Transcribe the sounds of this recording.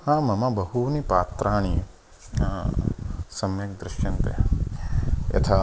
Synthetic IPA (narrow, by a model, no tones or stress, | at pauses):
hãːmɐmabɐɦunipaːt̪ɾaːɳ̃i | ã | sɐmjɐk̚d̪ɾɪʃjɐnt̪ḛ | jɐ̰t̪ʰa